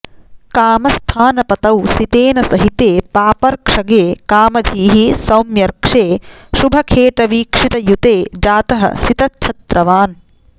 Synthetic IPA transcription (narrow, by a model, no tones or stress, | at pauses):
kaːmɐst̪ʰaːnɐpɐt̪ɐwsit̪eːnɐsɐɦit̪eːpaːpɐɾkʂɐɡeːkaːmɐd̪ʱiːɦisɐwmjɐɾkʂeːʃubʱɐkʰeːʈɐʋiːkʂit̪ɐjut̪eːd͡ʒaːt̪ɐɦɐ̰sit̪ɐtːʃʰɐt̪ɾɐʋaːn